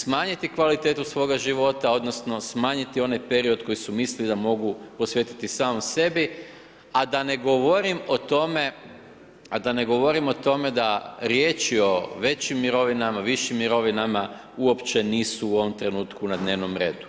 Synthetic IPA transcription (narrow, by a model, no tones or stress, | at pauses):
smaːɲit̪ikʋalit̪e̞ːt̪usʋo̞ːɡaʒiʋo̞t̪ao̞d̪no̞sno̞smaːɲit̪io̞najpeɾio̞d̪ko̞jisumislid̪amo̞ɡupo̞sʋje̞t̪i̥t̪isaːmose̞bi | ad̪ane̞ɡoʋo̞ɾimo̞t̪o̞me̞ | ad̪ane̞ɡo̞ʋo̞ɾimo̞t̪o̞me̞d̪aɾje̞ːt͡ʃio̞ʋe̞t͡ɕimːiɾo̞ʋinamaʋiʃimːiɾo̞ʋinama | uo̞pt͡ʃe̞niːsuuo̞ʋomt̪ɾe̞nuːt̪kunad̪ne̞ːʋno̞mɾe̞ːd̪u